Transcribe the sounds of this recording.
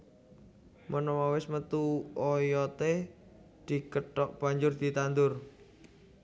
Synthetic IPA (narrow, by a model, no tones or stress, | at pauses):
mənɔmawɪsmət̪uɔjɔt̪e | d̪̥ikəʈɔʔ̚b̥a̤ɲd͡ʒʊrd̪̥i̤t̪and̪ʊr